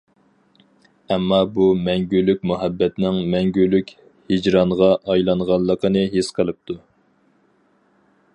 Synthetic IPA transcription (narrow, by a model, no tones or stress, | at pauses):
ɛmːɑbumɛŋɡʲylykʲmuɦɛbːɛt̪nɪŋmɛŋɡʲylykʲ | hid͡ʒɾɑɴʁɑʔɑjlˠɑɴʁɑlˠːəqʰənɨɦesqʰəlˠɨp̚t̪ʰu